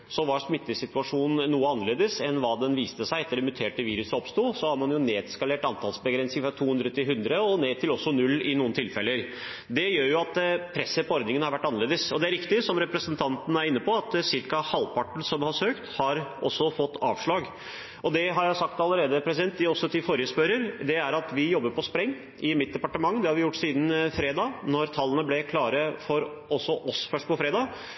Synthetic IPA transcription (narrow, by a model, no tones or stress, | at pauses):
sɔʋɑːʂmɪt̪ːəsɪt̪ʉɑʂuːnn̩uːəɑnəɭeːd̪əsɛnʋɑːd̪ɛnʋiːst̪əsæɪɛt̪ːəɖɛmʉt̪ʰeːʈəʋiːɾʉsəɔpst̪uːsɔhɑɾmɑnjʊneːd̪skɑleːʈɑnt̪ʰɑlsbəɡɾɛnsɪŋfɾɑt̪ʰuːʉnd̪ɾət̪ʰɪlɦʉnd̪ɾəɔneːt̪ʰɪlɔsːɔnʉlːɪnuːnt̪ʰɪlfɛlːəɾ | d̪ɛjøːɾjʊɑt̪pʰɾɛsːəpʰɔɔɾd̪nɪŋənhɑɾʋæʈːɑnəɭeːd̪əsɔd̪ɛæɾɪkt̪ɪsɔmɾɛpɾəsənt̪ʰɑnt̪n̩æɾɪnːəpɔɑt̪sɪɾkɑhɑlpʰɑʈɳ̩sɔmhɑɾsøːkt̪hɑɾʔɔsːɔfɔt̪ːɑ̰ːʋʂɭɑːɡ | ʔɔd̪ɛɦɑɾjæɪsɑkt̪ɑlːəɾeːd̪əpʰɾɛs̬ɪd̪ɛnt̪ːɪɔsːɔt̪ʰɪfoːɾɪjəspœɾəɾd̪ɛæɾɑt̪ʋɪjɔbːəɾpʰɔspɾɛŋː | ʔɪmɪt̪̚d̪ɛpɑʈəmɑŋːəd̪ɛhɑɾʋɪjʊʈːsiːd̪n̩fɾeːd̪ɑːnɔɾt̪ʰɑlːənəblɛkʰlɑːɾəfɔɾ | ɔsːɔʔɔsfœʂʈ̚pɔfɾeːd̪ɑː